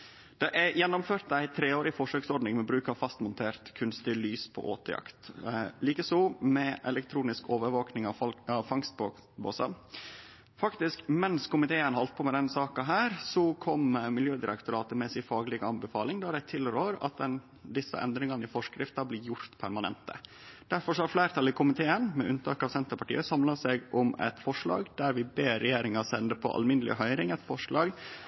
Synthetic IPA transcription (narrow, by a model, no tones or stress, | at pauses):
d̪̥ɛʔæɾjɛnːʊmføːɾt̪æɪt̪ʰɾeːoːɾɪfɔʂøːksɔɾɖnɪŋmɛbɾʉːkɑʋfɑst̪mʊnt̪ʰeːɾt̪kʰʉnst̪ɪlyːspʰɔ̰ʔo̰ːt̪əjɑ̰kt̪liːkəsɔmɛʔɛlɛkt̪ʰɾuːnɪskoːʋəɾʋoːknɪŋɑɑʋfɑŋst̪bobo̰ːsɑ̰ | fɑkt̪ɪskmɛnskʰʊmɪt̪ʰeːənhɔlt̪̚pʰɔmɛd̪ɛnsɑːkɑɦæːɾsɔkʰɔmmɪljøːd̪ɪɾɛ̰kt̪ʊɾɑːt̪əmɛsɪfɑːɡlɪɡɑnbəfɑːlɪŋd̪ææd̪æɪt̪ʰɪlɾøːɾɑ̰t̪̚d̪ɛn | d̪ɪsːə̰ʔɛ̰nd̪ɾɪŋɑnəɪfɔʂkɾɪft̪ɑblɪːɾjʊɾt̪pʰæɾmɑnɛ̰nt̪ʰə̰ | d̪̥æɾfɔɾʂɔhɑɾflæɪɾt̪ʰɑlɪkʰʊmɪt̪ʰeːənmɛʔʉnt̪ʰɑːkɑʋsɛnt̪əɾpɑʈḭːəsɑmlɑsɛɡʔʊmɛ̰t̪fɔʂɭɑ̰ːɡd̪æɾʋɪbeːɾɛjeːɾɪŋɑsɛnd̪əpʰɔ̰ʔɑ̰lmɪnəlɪ̰ɦœʏɾɪŋɛt̪fɔʂɭɑːɡ